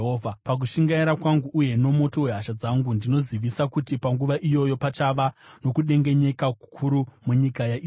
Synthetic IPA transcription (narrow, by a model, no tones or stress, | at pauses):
ɦoːvʱapak̬uʃiŋɡaiɾakwaŋɡuʔːje̞no̞mo̞to̞we̞ɦaʃad͡zaŋɡundino̞ziʋisakutipaŋɡuʋaʔijo̞jo̞pat͡ʃaʋano̞kuɗe̞ŋɡe̞ɲe̞kaku̥kʰuɾumuɲikajai